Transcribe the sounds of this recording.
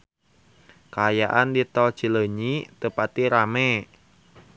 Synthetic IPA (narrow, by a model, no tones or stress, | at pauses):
kajaʔandit̪ɔ̥t͡ʃə̤ləɲit̪əpat̪iɾamɛ